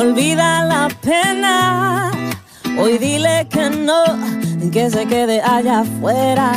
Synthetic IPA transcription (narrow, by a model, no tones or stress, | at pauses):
olβiðalapena | ojðilekenokes̬eke̞ðeʔaʝafweɾa